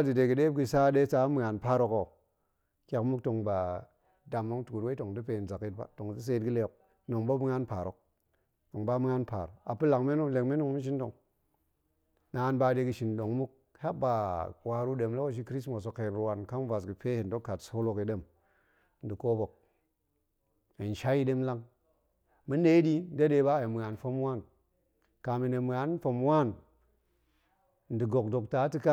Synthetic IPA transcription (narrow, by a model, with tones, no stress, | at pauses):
a˦di˨de˨ɡi˨de˦bɡi˦˨sa˦de˦sa˦mi˨ŋa˨npa˦ɾo˨ko˨ | kʲa˨kmu˦k̚to˨ŋba˨ | da˨mːa˦ŋ˦tu˨ku˨ɾwe˦to˨ŋdu˦pe˨i˨nza˨ki˦t̚ba̰˨to˨ŋ˨zi˦s̬e˦tɡi˦le˦˨k̚ | no˨ŋba˦bi˦ŋa˦npa˨ɾo˨k̚ | to˨ŋba˦mi˦ŋa˦npa̰˨ɾo˨a˨pu˦la˨ŋme˦nu˦le˨kme˦nu˦ŋ˦mi˦ʃ̬i˦ndo˨ŋ | na˨˦nba˦de˦ɡi˨ʃi˨nɗo˨ŋmu˦k̚ | ha˦ba˨wa˨ɾu˦ɗe˨mlo˦wo˦ʃ̬i˦kɾi˦smo˨s̬o˨ke˨nɾu˨wa˨nka˦n˦va˨s̬ɡi˨pe˦hi˨n˨do˦kːa˨tso˦lo˨ki˨de˦m | n̩˨di˨ko˦bo˨k̚ | e˨n˨ʃa˦ji˦ɗe˦mla˦ŋ | mi˦ne˦di˦de˦de˨˦ba˦e˨mi˨a˨nfo˦m˦wa˦n | ka˨mi˨ne˨m˨a˨˦nfo˨m˦wa˦˨n | n̩˨di˨ɡo˨kdo˨kta˨˦ti˦ka˦